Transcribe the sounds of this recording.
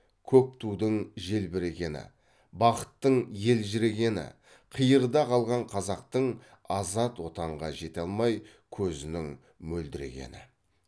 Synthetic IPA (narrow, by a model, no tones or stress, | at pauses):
kʲʰɵp̚t̪ʰud̪əɴʒe̞lbɪɾe̞ɡʲe̞nɪ̰ | bɑqə̥t̪ːəɴje̞lʒɪɾe̞ɡʲe̞nɪ̰ | qʰəjəɾd̪ɑqʰɑlˠʁɑɴqʰɑzɑq̚t̪əɴ | ɑzɑt̪wo̞t̪ɑɴʁɑ̰ʒe̞t̪ɑlˠmɑj | kʲʰɵzɪnɪŋ | mɵld̪ɪɾe̞̰ɡʲe̞̰nɪ̰